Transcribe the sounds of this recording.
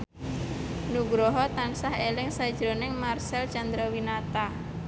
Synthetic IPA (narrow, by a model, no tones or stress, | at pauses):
nuɡɾɔɦɔt̪ansaɦelɪŋsad̥d͡ʒ̥ɾo̤nɪŋmarsɛlt͡ʃand̪ɾɔwinat̪a